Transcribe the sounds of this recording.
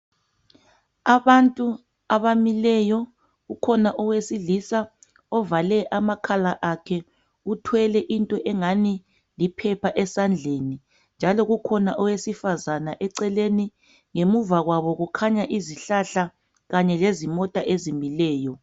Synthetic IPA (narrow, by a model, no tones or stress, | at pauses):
aβantʼu | aβamilɛjɔ | ɣukʰɔnaʔɔwesilisa | ɔvalɛʔamakʰalaʔakʰɛ | utʰwɛlɛʔintʼɔʔɛŋani | lipʰɛpʰaʔɛsand͡ɮʱeni | nd͡ʒʱalɔɣukʰɔnaʔɔwesifazanaʔɛǀɛleni | ŋemuvaɣwaβɔɣukʰaɲaʔiziɬaɬa | ɣaɲɛlezimɔtʼaʔezimilɛːjɔ